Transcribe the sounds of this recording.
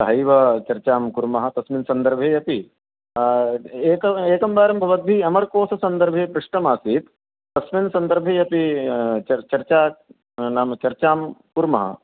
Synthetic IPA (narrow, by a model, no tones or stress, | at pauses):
sɐɦɐjʋɐt͡ʃɐɾt͡ʃaːmkuɾmɐɦɐ̆t̪ɐsminsɐnd̪ɐɾbʱeːjɐpi | eːkɐeːkɐmbaːɾɐmbʱɐʋɐd̪̚biɐmɐɾkoːsɐsɐnd̪ɐɾbʱeːpɾuʂʈɐmaːsiːt̪ | t̪ɐsminsɐnd̪ɐɾbʱeːjɐpiɐt͡ʃɐɾt͡ʃaː | naːmɐt͡ʃɐɾt͡ʃaːmkuɾmɐɦɐ̰